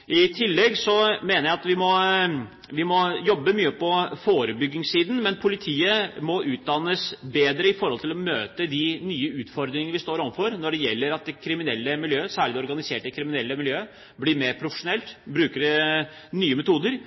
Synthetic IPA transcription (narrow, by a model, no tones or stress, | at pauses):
ɪt̪ʰɪlːɛɡsɔmeːnəɾjæɪɑt̪ʋɪmɔ | ʋɪmɔjɔbːəmyːəpʰɔfoːɾəbʏɡːɪŋsiːd̪n̩mɛnpʰʊlɪt̪ʰiːəmɔʔʉːt̪̚d̪ɑnːəsbeːd̪ɾəɪfɔɾhɔlt̪ɪlɔmøːt̪əd̪ɪnyːəʉːt̪fɔɾd̪ɾɪŋənəʋɪst̪oːɾɔʋ̩fɔɾnɔɖɛjɛlːəɾɑt̪̚d̪ɛkʰɾɪmɪnɛlːəmɪljøːsæːɭɪd̪ɛɔɾɡɑnɪseːʈɛkʰɾɪmɪnɛlːəmɪljøː | bliːmeːɾpʰɾʊfə̥ʂʊnɛlt̪bɾʉːkəɖɛ | nyːəmɛt̪ʰuːd̪əɾ